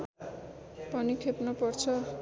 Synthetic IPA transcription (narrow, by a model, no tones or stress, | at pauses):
pʌnikʰepnʌpʌrt͡sʰʌ